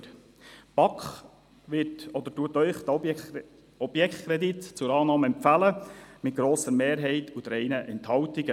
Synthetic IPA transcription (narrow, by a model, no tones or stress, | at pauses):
pɑkχ | ʋɪtɔd̪əɾtuətœʏχt̪ | ɔb̥jɛkχt̪kɾɛd̪itt͡sʊɾɑːnɑːməɛmpfæləmɪt̚ɡ̥ɾoːsəɾmeːɾɦɛɪtʰʊt̪ɾɛɪnəʔɛnthɑwtiɡ̥ə